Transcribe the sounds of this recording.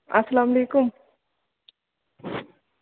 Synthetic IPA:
ɐsɐlaːmɐleːkʊm

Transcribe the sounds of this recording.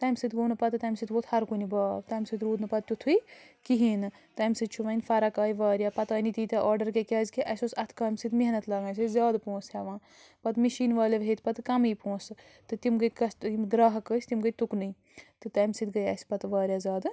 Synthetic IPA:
t̪ɐːmsɨt̪ɡoːnɨpɐt̪ɨt̪ɐːmʲsɨt̪bot̪ʰhɐɾkunibaːbt̪ɐːmsɨt̪ɾuːd̪nɨpɐt̪̚t̪ut̪ʰui | kiɦiːnɨ | t̪ɐːjmsɨt̪t͡ʃʰuʋɐnʲfɐɾɐkaːjiʋaːɾjapɐt̪aːnit̪iːt̪ɐʔaːɾɖɐɾkekʲaːzkiʔɐsoːsɐt̪ʰkɐːmsɨt̪miɦɐnɐt̪lɐːɡaːns̬ɨzʲaːd̪põːshʲɛʋãː | pɐt̪miʃiːnʋaːleʋɦet̪pɐt̪kɐmiːpõːsɨ | t̪ɨt̪imɡəkɐsimɡɾaːɦɐkəsʲt̪imɡət̪t̪uknɨj | t̪ɨt̪ɐːjmsɨt̪ɡɐjɐ̰sʲpɐt̪ʋaːɾʲjaːzʲaːd̪

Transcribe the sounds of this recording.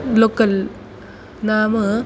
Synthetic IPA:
lokːɐl | naːmɯ

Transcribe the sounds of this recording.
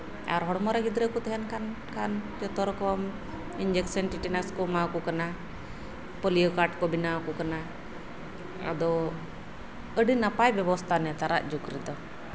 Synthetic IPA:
a̰ɾɦɔɽmɔɾaɡid̪ɾɛkɔt̪ɛɦɛnkan | kand͡ʒɔt̪ɔɾkɔm | iɲd͡ʒɛksənʈiʈinaskɔmakɔkana | pɔlijɔkaʈkɔbinawkɔkana | a̰d̪ɔ | əɖinapajbjɛbɔst̪ʰanɛt̪aɾa̰ʔd͡ʒukɾid̪ɔ

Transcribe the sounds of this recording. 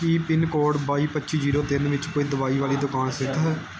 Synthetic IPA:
kiːpɪnkoːɖbaːiːpətːt͡ʃid͡ʒiːɾoːt̪ɪnʋɪt͡ʃkoːiːd̪ʊʋaːiːʋaːliːd̪ʊkaːnsɪt̪ʰɛ

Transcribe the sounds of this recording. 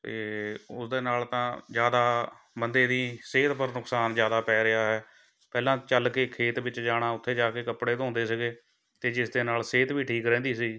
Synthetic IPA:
t̪eːʊsd̪eːnaːlt̪ãːzjaːd̪aː | bənd̪eːd̪iːseːt̪pəɾnʊksaːnd͡ʒjaːd̪aːpɛːɾɪaːɦɛː | pɛːlãːt͡ʃəlkeːkʰeːt̪ʋɪt͡ʃd͡ʒaːɽ̃aːʊt̪ʰːeːd͡ʒaːkeːkəpɽeːt̪ːɦʊ̃nd̪eːsəɡeː | t̪eːd͡ʒɪsd̪eːnaːlseːt̪ʋiːʈʰiːkɾɛ̃ːd̪iːsiː

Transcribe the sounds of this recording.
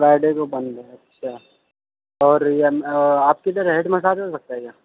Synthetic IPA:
ɾaːɪɖekobɐ̃nd̪ɦɛɐtːʃʰaː | ɔːɾjemaːp̚ket̪əɾɦeɖmɐs̬aːd͡ʒosɐk̚t̪aɦɛɡaː

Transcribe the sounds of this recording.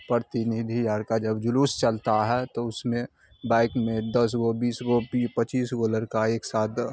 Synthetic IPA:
pəɾt̪inid̪ʱijaːɾkad͡ʒəbd͡ʒʊlust͡ʃəlt̪aɦɛt̪oʊsmẽ | baːɪkmẽd̪əs̬ɡobiːsɡobipət͡ʃiːsɡoləɾkaeːksaːt̪

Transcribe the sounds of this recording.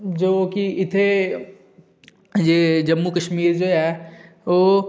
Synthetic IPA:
d͡ʑoːkiʔɪt̪ʰe | d͡ʑeːd͡ʑɐmːukɐʃmiːɾd͡ʑoːaːɦe | oː

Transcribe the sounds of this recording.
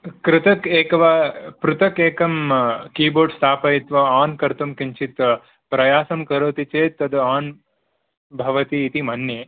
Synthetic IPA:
kɾɪt̪ɐkeːkɐʋapɾut̪ɐkeːkɐmkiːboːɾɖst̪ʰaːpɐjit̪ʋɐaːnkɐɾt̪umkiɲt͡ʃit̪ɐ | pɾɐjaːsɐmkɐɾoːt̪it͡ʃeːt̪ːɐd̪aːn | bʱɐʋɐt̪iːt̪imɐnjeː

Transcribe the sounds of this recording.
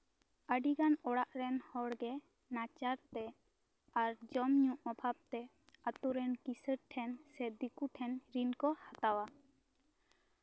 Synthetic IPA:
əɖiɡanɔɽaʔɾɛnhɔɽɡɛ | nat͡ʃaɾt̪ɛ | aɾd͡ʒɔmɲũʔɔbʱab̚t̪ɛ | at̪uɾɛnkisəɾʈʰɛnsɛd̪ikuʈʰɛnɾinkɔhat̪awa

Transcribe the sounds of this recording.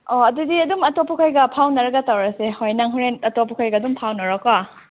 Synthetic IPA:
oɐdudiɐdumɐtopʰukʰajɡɐpʰawnɐɾɐɡɐtawɾɐsehojnaŋɦuɾenɐtopʰukʰajɡɐdumpʰawnɐɾaka

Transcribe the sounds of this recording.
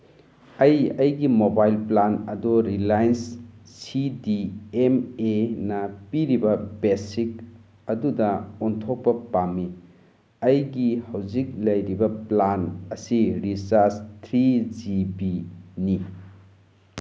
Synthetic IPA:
ɐjɐjɡimobajlplanɐdɔɾilajnssidiemenɐpiɾibɐbesik | ɐdudɐontʰok̚pɐpamːi | ɐjɡihɐwzik̚lɐjɾibɐplanɐsiɾisaɾstʰɾid͡ʒibini

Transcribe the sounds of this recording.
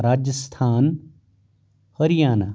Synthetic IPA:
ɾaːd͡ʒəst̪ʰaːn | həɾijaːna

